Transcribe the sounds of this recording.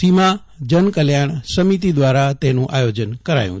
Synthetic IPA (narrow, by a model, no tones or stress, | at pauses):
imã | d͡ʒənkəljaɳ̃səmit̪̬id̪ʋaɾat̪enũʔajod͡ʒənkəɾa̰jṵ̃